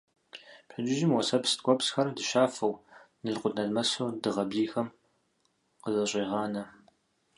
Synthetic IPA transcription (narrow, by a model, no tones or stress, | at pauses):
pɐd͡ʒɪʒɪmwɔsɐpsɨ̥tkʷʼɔpsxɐrdɨʃaːfɐwnɨɮqʷʊdnɐɮmɐsoːdɨʁɐbziːxɐm | qəzɐɕʼeːʁɑːnɐ